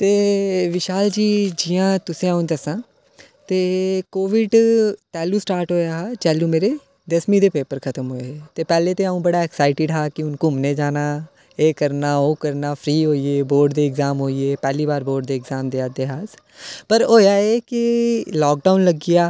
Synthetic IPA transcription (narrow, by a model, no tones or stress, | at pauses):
t̪eːʋɪʃaːld͡ʒiːd͡ʒɪjãːt̪ʊsĩːaːũnd̪əsãː | t̪eːkoːʋɪɖt̪ɛːlũːsʈaːɾʈɦoːjaːɦaːt͡ʃɛːlũːmeːɾeː | d̪əsmĩːd̪eːpeːpəɾkʰət̪əmɦoːeet̪eːpɛːleːt̪eːaũːbəɽaːɛːksaːɪʈɪɖɦaːkɪʊnkʊmneːd͡ʒaːnaː | eːkəɾnaːoːkəɾnaːpʰɾiːɦoːiːeːboːɾɖd̪eːɪɡzaːmɦoːieːpɛːliːbaːɾboːɖd̪eːɡzaːmd̪eːad̪eːɦaːz | pəɾɦoːjaːeːkɪlɔːk̚ɖaːʊnləɡɪjaː